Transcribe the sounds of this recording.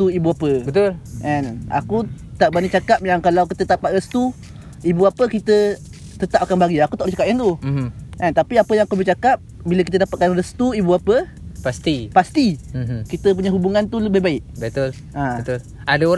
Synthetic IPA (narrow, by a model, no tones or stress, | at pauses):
t̪uibuapəbət̪ʊlʔɛna̰ku | t̪aʔbanit͡ʃakap̚jaŋkalawkit̪ət̪apaʔ̪rəst̪u | ibuapəkit̪ə | t̪ət̪ap̚akanbaɡiakut̪aʔlət͡ʃakap̚kant̪uʔɛnt̪apiapəjãŋakubəht͡ʃakap̚biləkit̪̬ədapat̪̚kanrəst̪uibuapə | past̪ipast̪ikit̪əp̬uɲaɦubuŋãnt̪uləbɪhbaɪʔ̚bət̪ʊl | ʔat̪ʊl | adaoɾ